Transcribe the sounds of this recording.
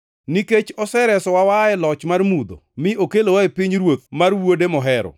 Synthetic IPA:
niket͡ʃɔsɛɾɛsɔwawaɛlɔt͡ʃmarmud̪o̰mɪokelowaepiɲɾwot̪̚marwodemɔɦɛɾɔ̰

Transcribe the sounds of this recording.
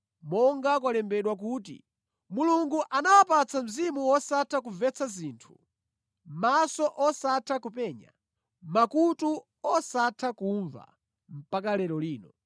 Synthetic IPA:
mɔŋɡak̬walɛmbɛɗwak̬ut̬ḭ | muluŋɡuʔanawapat͡sʰam̩zimuwɔsatʰakuvɛt͡sʰaziːntʰu̥ | masɔʔɔsatʰakupɛːɲa̰ | makutu | ɔsatʰakuɱva̰ | m̩pakalɛɾɔliːnɔ

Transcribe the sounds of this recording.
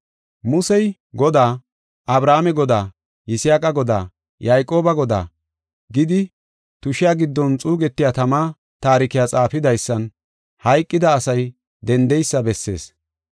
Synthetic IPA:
mʊsɛj | ɡɔd̪aː | ʔɐbɾaːmɛɡɔd̪aː | jɪsjaːkʼɐɡɔd̪a̰ː | jaːjkʼo̞ːbɐɡɔd̪a̰ː | ɡɪd̪ɪ | t̪ʊʃɪjaːɡɪd̪ːɔnt͡sʼuːɡɛt̪ːɪjat̪ɐmaː | t̪aːɾɪkɪjaːt͡sʼaːfɪd̪ɐjsːɐn | hɐjkʼːɪd̪ɐːsɐj | d̪ɛnd̪ɛjsːɐbɛsːe̞̰ːs

